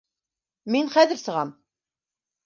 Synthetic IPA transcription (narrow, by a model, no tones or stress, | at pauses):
minχæðəɾsəʁæm